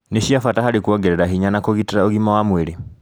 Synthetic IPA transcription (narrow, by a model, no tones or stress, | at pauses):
neʃiafatahaɾikwɔɡeɾeɾaɦiɲanakoɣitiɾaoɣimawamweɾe